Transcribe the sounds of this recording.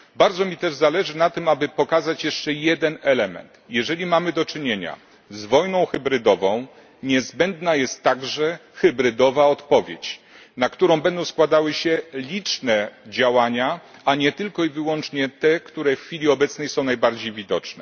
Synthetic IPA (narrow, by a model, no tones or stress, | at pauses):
baɾd̪zɔmʲit̪ɛʐzalɛʐɘnat̪ɘmabɘpɔkazat͡ɕjɛʂt͡ʂɛjɛd̪ɛnɛlɛmɛ̰nt̪jɛʐɛlʲimamɘd̪ɔt͡ʂɘɲeɲa̰ | zvɔjnɔ̃w̃xɛbɾɘd̪ɔvɔ̃w̃ | ɲɛzbɛnd̪najɛst̪ːaɡʐɛxɛbɾɘd̪ɔvaɔt̪pɔvʲjet͡ɕ | nakt̪uɾɔ̃w̃bɛnd̪ɔ̃w̃skwad̪awɘɕɛlʲit͡ʂnɛd͡ʑawaɲaaɲɛt̪ɘlkɔivɘwɔnt͡ʂɲɛt̪ɛkt̪uɾɛffʲilʲiɔbɛt̪snɛjsɔ̃w̃najbaɾd͡ʑejvʲid̪ɔt͡ʂnɛ̰